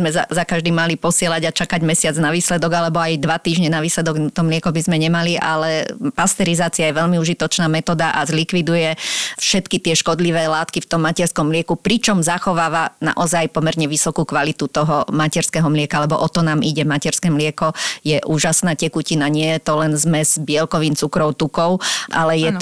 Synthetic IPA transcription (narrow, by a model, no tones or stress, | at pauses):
zmɛza̰zakaʒd̪iːmalipɔsɪɛlaɟat͡ʃakaɟmɛsɪad͡znaʋiːslɛd̪ɔɡalɛbɔajd̪ʋat̪iːʒɲɛnaʋiːslɛd̪ɔɡt̪ɔmlɪɛkɔbizmɛɲɛmaliʔa̰lɛpast̪ɛɾizaːt͡siajɛʋɛʎmiuːʒit̪ɔt͡ʃnaːmɛt̪ɔːd̪aʔazlikʋid̪ujɛfʃɛt̪kit̪ɪɛʃkɔd̪liʋɛːlaːt̪kift̪ɔmːacɛɾskɔmːlɪɛkupɾit͡ʃɔmzaxɔʋaːʋana̰ʔɔzajpɔmɛɾɲɛʋisɔkuːkʋalit̪ut̪ɔɦɔmacɛɾskɛɦɔmlɪɛkaalɛbɔʔɔt̪ɔnaːmʔiɟɛmacɛɾskɛːmlɪɛkɔjɛʔuːʒasnaːcɛkucinaɲɪɛjɛt̪ɔlɛnzmɛzbɪɛlkɔʋiːmt͡sukɾɔʊt̪ukɔʊʔa̰lɛjɛ